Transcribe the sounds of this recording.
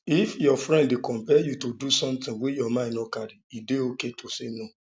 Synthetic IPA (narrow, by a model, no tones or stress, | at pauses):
ifjɔfɾɛ̃ndekɔ̃mpɛjutodusɔ̃mtĩwejɔmãɪ̃nnɔkaɾiideoketʰosenõ